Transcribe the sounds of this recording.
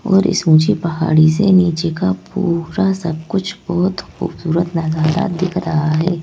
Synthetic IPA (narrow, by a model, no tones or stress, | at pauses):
ɔːɾɪ̰sũːt͡ʃipɐɦa̰ːɽis̬eniːt͡ʃekapuːɾasɐb̚kʊt͡ʃʰbɔɦʊt̪xṵːb̥suːɾət̪nɐzaːd̪a̰d̪ɪkʰɾɐɦaɦɛː